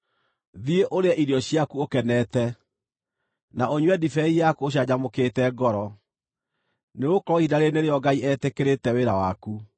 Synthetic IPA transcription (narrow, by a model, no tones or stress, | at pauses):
ðieʔoɾeɛʔiɾjɔɕjakuokɛnɛtɛ | naoɲwɛdifɛijakuoɕ̬jad͡ʑamokeːtɛɡɔɾɔ | neokɾɔidaɾeneɾeɔɡaiɛtekeɾetɛweɾawaku